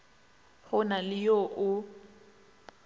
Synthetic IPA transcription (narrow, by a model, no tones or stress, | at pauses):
hʰʊnalɪjoʔʊ